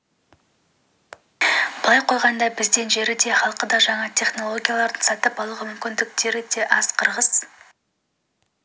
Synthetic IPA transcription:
b̥əlˠɑjqʰo̞jʁɑnd̪ɑbɪzd̪enʒe̞ɾɪd̪e̞χɑlˠqəd̪ɑʒɑɴɑt̪ʲʰe̞χno̞lˠo̞ɡʲijalˠɑɾd̪ənsɑt̪əpɑlˠəʁəmʏmkʲɪnd̪ɪk̚t̪e̞ɾɪd̪e̞ʔɑz̥qʰəɾʁəz̥

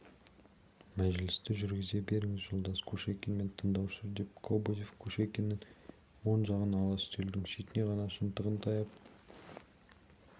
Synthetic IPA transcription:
mæʒlɪst̪ɪʒʏɾɡʲɪze̞be̞ɾɪŋɪzʒolˠd̪ɑskʲʰɵʃekʲenme̞nt̪ʰəɴd̪ɑwsɪzd̪e̞p̚kʰoboje̞fkʲʰɵʃekʲe̞nːɪn | wo̞nʒɑʁənɑlˠɑst̪ʰeld̪ɪŋʃet̪ɪne̞ʁɑnɑʃənt̪əʁənt̪ʰɑjɑp̚

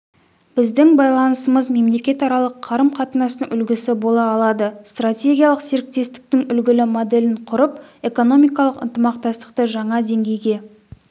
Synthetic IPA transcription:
b̥ɪzd̪ɪŋbɑjlˠɑnəsəməzme̞mle̞kʲe̞t̪ɑɾɑlˠəqʰːɑɾəmqʰɑt̪ənɑsəŋʏlɡʲɪsɪbo̞lˠɑːlˠɑd̪əst̪ratʲe̞ɡʲijɑlˠəqseɾɪk̚t̪e̞st̪ɪ̥k̚t̪ɪŋʏlɡʲɪlɪmo̞d̪e̞lɪɴqʰʊɾəpe̞ko̞no̞mijkɑlˠəqə̰nt̪əmɑqt̪ɑst̪ə̥qt̪əʒɑɴɑd̪e̞ŋɡʲe̞jɡʲe̞

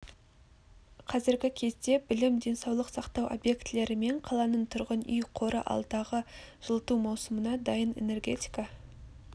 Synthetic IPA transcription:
qʰɑzɪɾɡʲɪkʲʰe̞zd̪e̞bɪlɪmd̪e̞nsɑwlˠəqsɑqt̪ɑwʔo̰bje̞kt̪le̞ɾɪme̞ɴqʰɑlˠɑnəɴt̪ʰʊɾʁənʏjqʰo̞ɾə̰ʔɑ̰lˠd̪ɑʁəʒ̥əlˠət̪umɑwsəmənɑd̪ɑjəne̞̰ne̞rɡʲe̞t̪ʲi̥kɑ

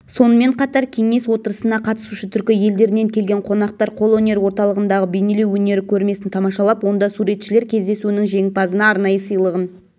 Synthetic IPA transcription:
so̞nəme̞ɴqʰɑt̪ɑɾkʲʰe̞ŋe̞swo̞t̪əɾəsənɑqʰɑt̪ə̥suʃət̪ʰʏɾkʲɪje̞ld̪e̞ɾɪne̞ŋkʲʰe̞lɡʲeɴqʰo̞nɑq̚t̪ɑɾqʰo̞lˠonʲe̞ɾwo̞ɾt̪ɑlˠəʁənd̪ɑʁəbejnelewːɵne̞ɾɪkʲʰɵɾme̞sɪnt̪ʰɑmɑʃɑlˠɑpwo̞nd̪ɑsuɾe̞t̪ʃɪle̞ɾkʲʰe̞zd̪e̞suɪnɪŋʒe̞ŋpɑzənɑɑɾnɑjəsəjlˠəʁən

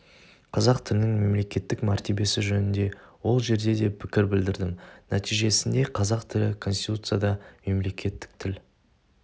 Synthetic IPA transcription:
qʰɑzɑqt̪ʰɪlɪnɪŋme̞mle̞kʲe̞t̪ːɪkmæɾt̪e̞be̞sɪʒɵnɪnd̪e̞wo̞lˠʒe̞ɾd̪e̞d̪e̞pʰɪkʲɪɾbɪld̪ɪɾd̪ɪmnæt̪ijʒe̞sɪnd̪e̞qʰɑzɑqt̪ʰɪlɪkʰo̞nst̪ʲit̪ut̪sɨjad̪ɑme̞mle̞kʲʰe̞t̪ːɪ̥k̚t̪ʰɪl

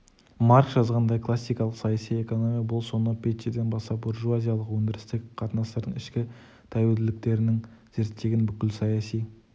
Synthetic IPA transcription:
mɑɾkʒɑzʁɑnd̪ɑjkʰlˠasːijkɑlˠəqsɑjasije̞ko̞no̞mʲijabʊlˠso̞nəpʰʲet̪ed̪e̞nbɑst̪ɑp̚buɾʒuazʲijalˠəqwɵnd̪ʲɪɾɪst̪ɪkʲqʰɑt̪ənɑst̪ɑɾd̪əɴɪʃkʲɪ | t̪ʰæweld̪ɪlɪk̚t̪e̞ɾɪnɪŋz̥e̞ɾt̪ːe̞ɡʲɪnbʏkʲɪlsɑjɑsij

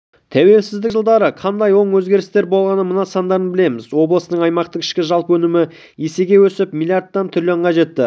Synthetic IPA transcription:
t̪ʰæwe̞lsɪzd̪ɪʒəlˠd̪ɑɾəqʰɑnd̪ɑjwo̞ɴwɵzɡʲe̞ɾɪst̪e̞ɾbo̞lˠʁɑnəmənɑsɑnd̪ɑɾənbɪle̞mɪzwo̞blˠəsənəɴɑjmɑq̚t̪əqʰɪ̥ʃkʲɪʒɑlˠpəwɵnɪmɪ | jese̞ɡʲe̞wɵsɪpmilʲˠijaɾt̪̚ːɑnt̪ʰʏɾleɴqɑʒe̞t̪ːɪ

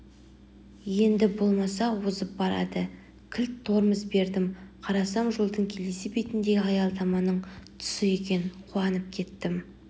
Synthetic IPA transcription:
je̞nd̪ɪbo̞lˠmɑs̬ɑwozəp̚bɑɾɑ̰d̪ə | kʲʰɪlt̪ʰːo̞ɾməzbe̞ɾd̪ɪmqʰɑɾɑsɑmʒolˠd̪əɴkʲʰe̞le̞sɪbe̞t̪ɪnd̪e̞ɡʲɪɑjɑlˠd̪ɑmɑnəɴt̪ʰʊ̥səje̞kʲe̞nɪnqʰuɑnəp̚kʲʰe̞t̪ːɪm

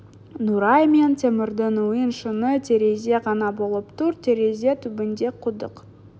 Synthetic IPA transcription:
nuɾɑjme̞nt̪ʰʲemɪɾd̪ɪnujənʃənət̪ʰe̞ɾe̞ze̞ʁɑnɑbo̞lˠəpt̪ʊɾt̪ʲʰe̞ɾeze̞t̪ʰʏbɪnd̪e̞qʰʊd̪əq

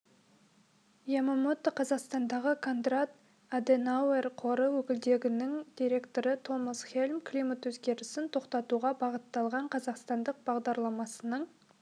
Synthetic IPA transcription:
jemomot̪ːəqʰɑzɑqst̪ɑnd̪ɑʁəkʰo̞nd̪rat̪ | ad̪enawerqʰo̞ɾəwɵkʲɪld̪e̞ɡʲɪnɪŋd̪̥ijɾe̞kt̪o̞ɾət̪ʰo̞məsχelʲmklijmat̪wɵzɡʲe̞ɾɪsɪnt̪ʰo̞qt̪ɑt̪uʁɑbɑʁət̪ːɑlˠʁɑɴqʰɑzɑqst̪ɑnd̪əq̚b̥ɑʁd̪ɑɾlˠɑmɑsənəɴ

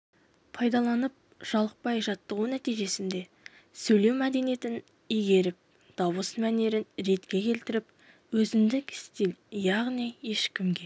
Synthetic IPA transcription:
pʰɑjd̪ɑlˠɑnəp̚ | ʒ̥ɑlˠəq̚pɑjʒɑt̪ːəʁunæt̪ijʒe̞sɪnd̪e̞ | sɵjle̞wmæd̪enije̞t̪ɪn | ijɡʲe̞ɾɪp̚ | d̪̥ɑwəsmæne̞ɾɪnɾe̞t̪kʲe̞kʲʰe̞lt̪ɪɾɪp̚ | wɵzɪmd̪ɪkɪ̥st̪eljɑʁnijje̞ʃkʲɪmɡʲe̞

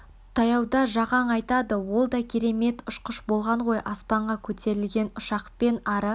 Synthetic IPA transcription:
t̪ʰɑjɑwd̪ɑʒɑʁɑɴɑjt̪ɑd̪əwo̞lˠd̪ɑkʲʰe̞ɾe̞me̞t̪ʊʃqəʃbo̞lˠʁɑɴʁo̞jʔɑspɑɴʁɑkʲʰɵt̪ʰe̞ɾɪlɡʲe̞nʊʃɑqpe̞nɑɾə

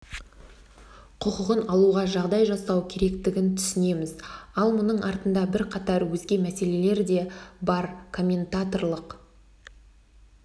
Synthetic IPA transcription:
qʰʊqəʁənɑlˠuʁɑʒɑʁd̪ɑjʒɑsɑwkʲʰe̞ɾe̞kt̪ɪɡʲɪnt̪ʰʏsɪne̞mɪzɑlˠmʊnəɴʔɑɾt̪ənd̪ɑbɪɾqʰɑt̪ɑɾwɵzɡʲe̞mæse̞le̞le̞ɾd̪e̞bɑɾkʰo̞mʲe̞nt̪at̪o̞ɾlˠəq

